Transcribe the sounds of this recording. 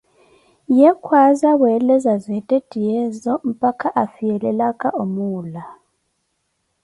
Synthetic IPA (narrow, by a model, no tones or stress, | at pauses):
jɛkʰwazaβwɛlɛzazɛtʼed̥ʱijɛzɔm̩pʼakʰaʔafijɛlɛlakʼaʔomuːla